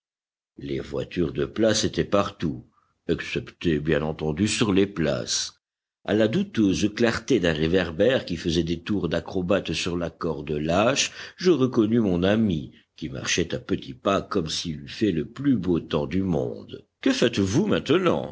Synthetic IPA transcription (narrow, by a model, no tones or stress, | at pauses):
lḛvwa̰t̪yʁd̪əplaset̪ɛpaʁt̪u | aksɛpt̪ebjɛ̃nɑ̃t̪ɑ̃d̪ysyʁlepla̰s | a̰lad̪ut̪øzklaʁt̪ed̪ɛ̃ʁevɛʁbɛʁkʲifəzɛd̪et̪uʁd̪akχɔbat̪syʁlakɔʁd̪əlaʃʒəʁəkɔnymɔ̃nami | kʲima̰ʁʃɛt̪apət̪ʰipakɔmsilyfɛləplybot̪ɑ̃d̪ymɔ̰̃d̪kəfɛt̪vumɛ̃t̪ənɑ̰̃